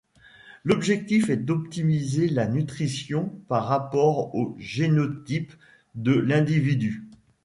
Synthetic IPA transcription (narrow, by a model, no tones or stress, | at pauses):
lɔbʒɛk̚t̪ifɛd̪ɔpt̪imizelanyt̪χisjɔ̃paʁːapɔʁoʒenɔt̪ip | d̪əlɛ̃d̪ivid̪y